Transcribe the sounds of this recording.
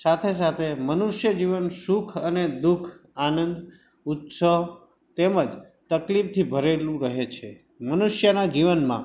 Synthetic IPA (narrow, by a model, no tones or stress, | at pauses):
sat̪ʰes̬at̪ʰemənuʃjəd͡ʒiʋənsukʰəned̪ukʰanənd̪ | ut̪sə | t̪eməd͡ʒ | t̪əklip̚t̪ʰibʱəɾelũɾəɦet͡ʃʰe | mənuʃjənad͡ʒiʋənmã̰